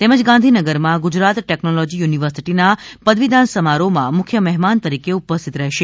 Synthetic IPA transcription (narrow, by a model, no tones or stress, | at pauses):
t̪eməd͡ʒɡãnd̪ʱinəɡəɾmãɡud͡ʒɾat̪ʈeknolod͡ʒijuniʋəɾsiʈinapəd̪ʋid̪ʱansəmaɾomãmʊkʰjəmɛɦmant̪əɾikeupəst̪ʰit̪ɾəɦʃe